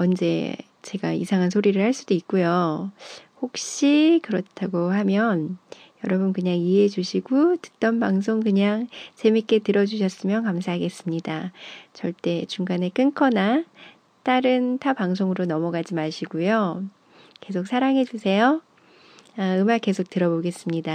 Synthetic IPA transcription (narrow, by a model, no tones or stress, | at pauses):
ʌnd͡ʑe̞̰ | t͡ɕe̞ɡaḭsʰaŋɦansʰoɾiɾɯɭhaɭs͈ud̥oik̚k͈ujo | hok̚ɕ͈ikɯɾʌtʰaɡohamjʌn | jʌɾʌbɯnkɯɲaŋied͡ʑuɕʰiɡotɯ̥t͈ʌnbaŋs̬ʰoŋkɯɲaŋt͡ɕe̞mik͈e̞tɯɾʌd͡ʑuɕʰʌs͈ɯmjʌnkamsʰaɦaɡe̞s͈ɯmɲidat͡ɕʌɭt͈e̞t͡ɕuŋɡanek͈ɯnkʰʌna | t͈aɾɯntʰapaŋs̬ʰoŋɯɾonʌmʌɡad͡ʑimaɕʰiɡujo | ke̞sʰok̚sʰaɾaŋɦe̞d͡ʑusʰe̞jo | aɯmake̞sʰok̚t͈ɯɾʌboɡe̞s͈ɯmɲida